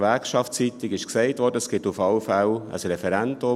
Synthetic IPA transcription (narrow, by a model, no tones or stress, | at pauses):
vɛkʃɑftt͡sit̪ɪɡɪʃksɛɪtʋɔːɾdəsɡ̥ɪtufɑlfælə̰srɛfɛɾɛndʊ